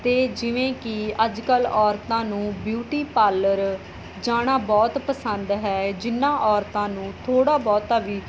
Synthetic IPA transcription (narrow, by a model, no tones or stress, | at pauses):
t̪eːd͡ʒɪʋẽːkɪəd͡ʒkəlɔːɾt̪ãːnũːbjuːʈiːpaːləɾ | d͡ʒaːɽ̃aːbɔːt̪pəsənd̪ɦɛːd͡ʒɪnːãːʔɔːɾt̪ãːnũːt̪ʰoːɽaːbɔːt̪aːʋiː